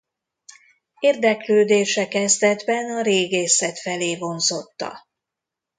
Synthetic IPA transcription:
eːrd̪ɛkløːd̪eːʃɛkɛzd̪ɛd̪bɛnɒɾeːɡeːsɛt̪fɛleːvo̞nzo̞t̪ːɒ̰

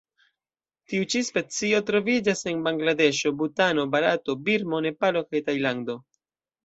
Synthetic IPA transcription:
tiut͡ʃispe̞t͡sio̞tɾo̞vid͡ʒase̞nbaŋɡlade̞ʃo̞butano̞baɾato̞biɾmo̞ne̞palo̞kajtajlando̞

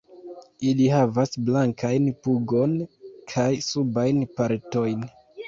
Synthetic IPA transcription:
ilihavasblaŋkajnpuɡo̞nkʰajsubajnpaɾto̞jn

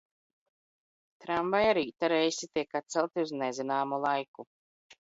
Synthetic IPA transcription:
t̪ɾamvajaɾiːt̪aɾɛjsit̪ʲiɛkat̪sɛlˠt̪iuznɛzinaːmulˠajku

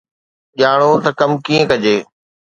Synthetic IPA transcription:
ʄaːɽ̃ot̪ɐkɐmkiːə̃kɐd͡ʑeː

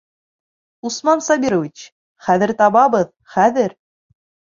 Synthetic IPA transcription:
usmɑnsɑbʲiɾovit͡ɕ | χæðɘ̆ɾt̪ɑβɑβɤð | χæðɘɾ

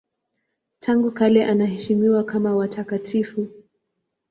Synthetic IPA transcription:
tʰaŋɡukalɛʔanahɛʃimiwakamawatʰakatʰifu

